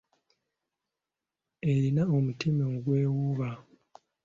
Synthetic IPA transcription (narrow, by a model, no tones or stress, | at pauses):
e̞ɾinaomutimeŋuɡwe̞ːwuβa